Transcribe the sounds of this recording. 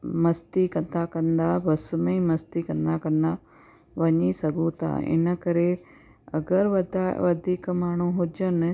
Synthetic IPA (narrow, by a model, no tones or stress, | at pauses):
mɐst̪ikɐ̃nd̪akɐ̃nd̪abɐsməĩmɐst̪ikɐ̃nd̪akɐ̃nd̪a | ʋɐɲisɐɡʱũt̪ʰa̰ɪ̰nə̆kɐɾe | ɐɡəɾʋɐd̪ʱaʋɐd̪ʱiːkmaːɳ̤̃ũɦʊd͡ʒənɪ̆